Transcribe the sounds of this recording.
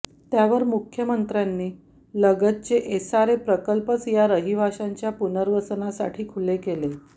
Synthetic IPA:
t̪jaʋəɾmukʰjəmənt̪ɾjanːiː | ləɡət̪̚t͡ɕeʔesaɾepɾəkəlpət͡sjaɾəɦibʱaʂaɲt͡ɕjapunəɾʋət͡snasa̰ʈʰiːkʰulekele

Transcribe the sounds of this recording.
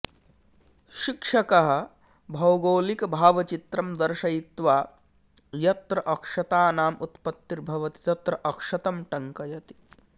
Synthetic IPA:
ʃikʂɐkɐɦɐ̆ | bʱɐwɡoːlikɐbʱaːʋɐt͡ʃit̪ɾɐmd̪ɐɾʃɐjit̪ʋaː | jɐt̪ɾɐʔɐkʂɐt̪aːnaːmut̪pɐt̪ːiɾbʱɐʋɐt̪i̥t̪ɐt̪ɾɐʔɐkʂɐt̪ɐmʈɐŋkɐjɐt̪i̥

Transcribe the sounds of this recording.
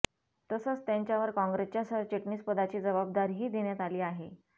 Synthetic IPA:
t̪əsət͡st̪jãɲt͡ɕjaʋəɾkɔ̃ŋɡɾest͡ɕjasəɾt͡ɕeʈniːspəd̪at͡ɕiːd͡zəʋab̚d̪aɾɦiːd̪eɳ̃jat̪aliːaɦe

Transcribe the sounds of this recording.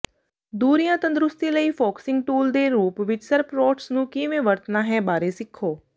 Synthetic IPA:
d̪uːɾijãːt̪ə̃nd̪ɾʊst̪iːləiːpʰɔːksɪ̃ŋɡ̚ʈuːld̪eːɾuːpʋɪt͡ʃsəɾpɾɔːʈsnũːkɪʋẽːʋəɾt̪naːɦɛːbaːɾeːsɪkʰːoː

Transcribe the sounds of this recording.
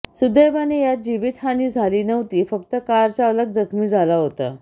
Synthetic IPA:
sud̪ejʋanejat̪̚d͡ʑiʋit̪haniːd͡zʱaliːnəʋt̪iːfəkt̪əkaɾt͡saələɡ̚d͡zəkʰmiːd͡zʱalaɦot̪a̰

